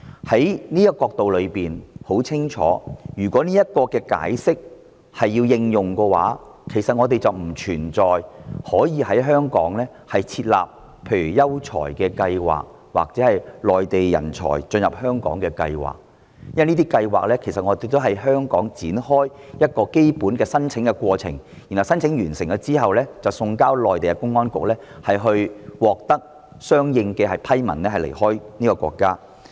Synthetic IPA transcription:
hɐ˨˥jniː˥jɐ˥tkːɔː˧k̚t̪o˨wlɵ˨˧ɥpiː˨nho˨˥wt͡sʰɪ˥ŋt͡ʃʰɔ̰ː˨˥jyː˨˩kʷɔ˨˥niː˥jɐ˥t̚kɔː˧kɛː˧ka̰ː˨˥jsɪ˥k̚ | hɐ˨jːiː˧wjɪ˧ŋjʊ˨ŋkɛː˧wa̰ː˨˥ | kʰe˨˩sɐ˨t̚ŋɔː˨˧t̪e˨jt͡sɐ˨wm̩˨˩t͡ʃʰyː˨˩nt͡sɔː˨jhɔː˨˥jiː˨˧hɐ˨˥jɦœː˥ŋkɔ̰ː˨˥ŋlɛː˥ | hɐ˨jt͡sʰiː˧t̚la̰ː˨p̚ | pʰe˧jɥyː˨˩jɐ˥wt͡sʰɔ̰ː˨˩jkɛː˧kɐ˧jwa̰ː˨k̚ | wa̰ː˨k̚t͡sɛː˨˥hɐ˨jlɔː˨jt̪e˨jjɐ̰˨˩nt͡ʃʰɔ̰ː˨˩jt͡sɵ˧njɐ˨p̚hœː˥ŋkɔ̰ː˨˥ŋkɛː˧kɐ̰˧jwa̰ː˨˩k̚ | jɐ˥wniː˥t̪i˥kɐ˧jwa̰ː˨k̚lɛː˥kʰe˨˩sɐ˨t̚ŋɔː˨˧t̪e˧˥t̪o˥ɦɐ˨jɦœː˥ŋkɔː˨˥ŋt͡siː˨˥nhɔː˥jjɐ˥t̚kɔː˧ke˥jpuː˨˥nkɛː˧sɐ˥nt͡sʰɪ˨˥ŋkɛ˧kwɔː˧t͡sʰɪ̰˨˩ŋ | ji˨˩nhwsɐ˥nt͡sʰɪ˨˥ŋjyː˨˩nsɪ˨˩ŋkɛ˧t͡siː˥ɦɐ˨wlɛː˥t͡sɐ˨wsʊ˧ŋkaː˥wlɔː˨jt̪e˨jkɛ˧kʊ˥ŋːɔː˥nkʊ˨k̚lɛː˥ | hɐ˨jɦɵ˧ɥwɔː˨k̚t̪ɐ˥k̚ | sœː˥ŋjɪ˧ŋkɛː˧hɐ˨˩jpʰɐ˥jmɐ˨˩nɛː˥hɐ˨˩lḛ˨˩jhɔː˥jniː˥kɔː˧kʷwɔ̰ː˧kːaː˥

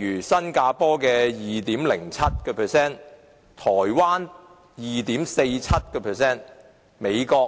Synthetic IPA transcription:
yː˨˩sɐ˥nkaː˧pɔː˥kɛː˧jiː˨t̪iː˨˥mlɪ˨˩ŋt͡sʰɐ˥t̚kɛː˧pʰɛː˨sɛː˥n | t̪ʰɔː˨˩jwaː˥n | jiː˨t̪iː˨˥mse˧jt͡sʰɐ˥t̚kɛː˧pʰɛː˨sɛː˥n | me˨˧jkɔː˧

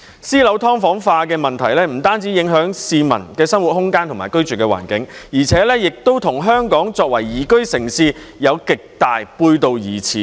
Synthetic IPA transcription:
siː˥lɐ˨˥wt̪ʰɔː˥ŋfɔː˨˥ŋfaː˧k̬ɛː˧mɐ˨nt̪ʰɐ˨˩jlɛː˥m̩˨˩t̪aː˥nt͡siː˨˥jɪ˨˥ŋɦœː˨˥ŋsiː˧mɐ̰˨˩nkɛː˧sɐ˥mwu˨t̚hʊ˥ŋkaː˥nt̪ʰʊ˨˩maː˨˩kɵ˥ɥt͡ʃyː˨˩kɛː˧wa̰ː˨˩nkɪ˨˥ŋjiː˨˩t͡sʰɛː˨˥lɛ˥jɪ˨k̚t̪o˥wt̪ʰʊ˨˩ŋɦœː˥ŋkɔː˨˥ŋt͡sɔː˧k̚wɐ˨˩jːiː˨˩kɵ˥ɥsɪ˨˩ŋsiː˧ | jɐ˨˧wkɪ˨k̚t̪aː˨jpuː˧jt̪o˨˧wjiː˨˩t͡sʰiː˨˦

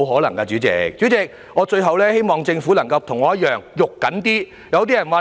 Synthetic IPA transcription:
wɦɔː˨˥lɐ˨˩ŋkɐ˧t͡ʃyː˨˥t͡sɪ̰˨˧k̚t͡ɕyː˨˥t͡sɪ˨˧k̚ | ŋɔː˨˧t͡ʃɵ˧ɥɦɐ˨wlɛː˥he˥jmɔː˨ŋt͡sɪ˧ŋfuː˨˥lɐ˨˩ŋkɐ˧wt̪ʰʊ˨˩ŋɔː˨˧jɐ˥t̚jœː˨ŋjʊ˨kːɐ˨˥nt̪iː˥ | jɐ˨˧wt̪̬iː˥ɐ˨˩nwaː˨

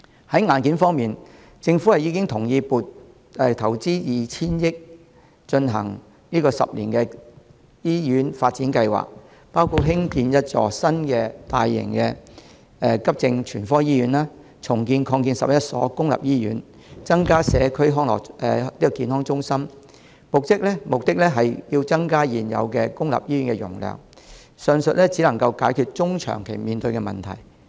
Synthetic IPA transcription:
hɐ˨˥jŋaː˨˧nkiː˨˥nfɔː˥ŋmiː˨n | t͡sɪ˧ŋfuː˨˥hɐ˨jiː˨˧kɪ˥ŋt̪ʰʊ˨˩ŋjiː˧puː˨˩t̚ | ɛː˨t̪ʰɐ˨˩wt͡siː˥jiː˨˩t͡sʰiː˥njɪ˥k̚ | t͡ʃɵ˧nɦɐ̰˨˩ŋ | niː˥kɔː˧sɐ̰˨p̚lḭː˨˩nkɛ˧ | jiː˥jyː˨˥nfaː˧t̚t͡siː˨˥nkɐ˧jwa̰ː˨˩k̚ | paː˥wkʰu˧t̚ɦɪ˥ŋkiː˧njɐ˥t̚t͡ʃɔ̰ː˨˩sɐ˥nkɛː˧t̪aː˨˧jːɪ̰˨˩ŋkɛ˧ | ɛ˧kɐ˥p̚t͡sɪ˧ŋt͡ʃʰyː˨˩nfɔː˥jiː˥jyː˨˧˥nlaː˥ | t͡sʰʊ˨˩ŋkiː˧nkʰɔː˧ŋkiː˧nsɐ˨p̚jɐ˥t̚sɔ̰ː˨˥kʊ˥ŋlɐ̰˨p̚jiː˥jyː˨˥n | t͡sɐ˥ŋkaː˥sɛː˨˧kʰɵ˥ɥɦɔː˥ŋlɔ̰ː˨˩kɛ˨iː˥ɔ˨˩kiː˧nhɔː˥ŋt͡ʃʊ˥ŋsɐ˥m | mʊ˨k̚t̪ɪ˥k̚lɛ˥mʊ˨k̚t̪ɪ˥k̚lɛ˥ɦɐ˨jji˧wt͡sɐ˥ŋkaː˥jiː˨˩njɐ̰˨˧wkɛ˧kʊ˥ŋlɐ̰˨p̚jiː˥jyː˨˥nkɛ˧jʊ̰˨˩ŋlœ̰ː˨˩ŋ | sœ˨ŋsɵ˨t̚lɛ˥t͡siː˨˥lɐ˨˩ŋkɐ˧wkaː˨˥jkʰyː˧t̚t͡ʃʊ˥ŋt͡ʃʰœ̰ː˨˩ŋkʰe˨˩jmiː˨nt̪ɵ˧ɥkɛ˧mɐ̰˨nt̪ʰɐ˨˩j

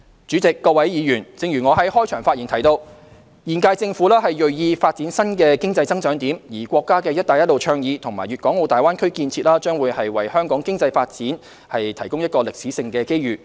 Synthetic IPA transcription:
t͡ʃyː˨˥t͡sɪ˨kːɔː˧wɐ˨˥jjiː˨˧jyː˨˩nt͡sɪ˨˧ŋjyː˨˩ŋɔ˨˧ɦɐ˨˥jhɔː˥jt͡ʃʰœː˨˩ŋfaː˧t̚jiː˨˩nt̪ʰɐ˨˩jt̪o˧w | jiː˨˩nkaː˧jt͡sɪ˧ŋfuː˨˥laː˥ɦɐ˨jjɵ˨ɥjiː˧faː˧t̚t͡siː˨˥nsɐ˥nkɛː˧kɪ˥ŋt͡sɐ˧jt͡sɐ˥ŋt͡ʃœː˨˥ŋt̪iː˨˥mjiː˨˩kʷɔː˧kːaː˥kɛː˧jɐ˥t̚t̪aː˨˩jɐ˥t̚lo˨wt͡ʃʰœː˧ŋjiː˨˧t̪ʰʊ˨˩ŋmaː˨˩jɥyː˨t̚kɔː˨˥ŋo˨˧wt̪aː˨jwaː˥nkʰɵ˥kiː˧nt͡sʰiː˧t̚laː˥t͡ʃœː˥ŋwuː˨˧jhɐ˨jwɐ˨˩jhœː˥ŋkɔː˨˥ŋkɪ˥ŋt͡sɐ˧jfaː˧t̚t͡siː˨˥n | hɐ˨jt̪ʰɐ˨˩jkʊ˥ŋjɐ˥t̚kɔː˧lɪ˨k̚siː˨˥sɪ˧ŋkɛː˧ke˥jɥyː˨

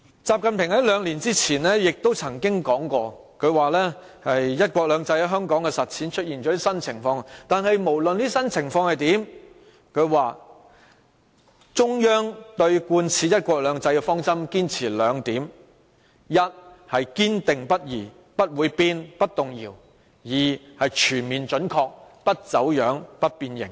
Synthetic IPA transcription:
t͡saː˨p̚kɐ˨npʰɪ˨˩ŋhɐ˨˥jlœː˨˧ŋliː˨˩nt͡siː˥t͡sʰiː˨˩nlɛː˥jɪ˨k̚t̪o˥wt͡sʰɐ˨˩ŋkɪ˥ŋkɔː˨˥ŋkɔː˧ | kʰɵ˨˧ɥwaː˨lɛː˥ | hɐ˨jjɐ˥t̚kʷɔː˧k̚lœː˨˧ŋt͡sɐ˧jɦœː˥ŋkɔː˨˥ŋkɛ˧sɐ˨t̚t͡sʰiː˨˥nt͡ʃʰɵ˥t̚jiː˨˩nt͡ʃɔː˨˥liː˥sɐ˥nt͡sʰɪ˨˩ŋfɔː˧ŋt̪aː˨nɦɐ˨jmo˨˩wlɵ˨nliː˥sɐ˥nt͡sʰɪ˨˩ŋfɔː˧ŋhɐ˨jt̪iː˨˥m | kʰɵ˨˧ɥwaː˨ | t͡sʊ˥ŋjœː˥ŋt̪ɵ˧ɥkuː˧nt͡sʰiː˨jɐ˥t̚kʷɔː˧k̚lœː˨˧ŋt͡sɐ˧jkɛ˧fɔː˥ŋt͡sɐ˥mkiː˥nt͡sʰiː˨˩lœː˨˧ŋt̪iː˨˥m | jɐ˥t̚hɐ˨jkiː˥nt̪ɪ˨˩ŋpɐ˥t̚jiː˨˩ | pɐ˥t̚wuː˨˧jpiː˥npɐ˥t̚t̪ʊ˨ŋjiː˨˩w | jiː˨hɐ˨jt͡ʃʰyː˨˩nmiː˨nt͡ʃɵ˨˥nkʰɔː˧k̚pɐ˥t̚t͡sɐ˨˥wjœː˨˥ŋpɐ˥t̚piː˧njɪ̰˨˩ŋ

